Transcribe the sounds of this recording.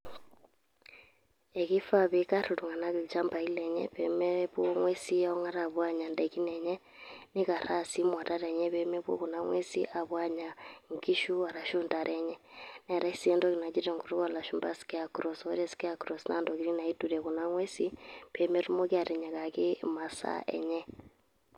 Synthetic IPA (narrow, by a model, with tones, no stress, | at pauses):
e˨ki˦fa˦βeka˦ɾoɾu˨ŋa˨na˦ket͡ʃa˦mba˨i˦lɛ˨ɲɛ̰βɛmɛβwo˦ŋwe˦si˦ja˦o˦ŋa˦ɾa˨βwa˦ɲa˨ndɛki˦nɛɲɛ˦ | ni˦ka˨ɾa˦si˦mwa˨ta˦ɾɛ˨ɲɛ˦βɛmɛ˦βwo̰˦ku˨na˦ŋwḛ˦si˦ʔa˨βwa˦ɲa˨ŋki˦ʃu˦a˨ɾa˨ʃuː˦nda˨ɾɛɲɛ˦nɛ˨ɾa˦isi˦ɛ˦ndɔ˦ɣi˨na˨t͡ʃi˦ɾɛ˨ŋɡo˨ɾu˦kala˨ʃu˨mba˦si̥kɛ˦a˨kɾɔ˨sɔɾɛ˦si̥kɛ˦a˦kɾɔ˨sna̰˦ndɔ˨ki˦ɾi˦na˨ituɾɛ˨ku˨na˦ŋwɛ˦si˦pɛ˨mɛ˦ɾu˦mo˦ki˦a˦˨ɾɛ˨ɲa˨ka˨ke˦masa̰ɛ̰˨ɲɛ˦